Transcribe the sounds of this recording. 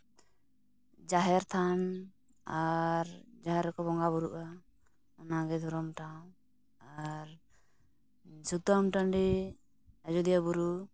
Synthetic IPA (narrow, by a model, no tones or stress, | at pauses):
d͡ʒaɦɛɾt̪ʰan | aɾd͡ʒaɦɛɾːɛkɔbɔŋɡabɔɾuʔa | ɔnaɡɛd̪ʱɔɾɔmʈaw | aɾ | sut̪ɔmʈanɖi | ad͡ʒud̪ijabuɾu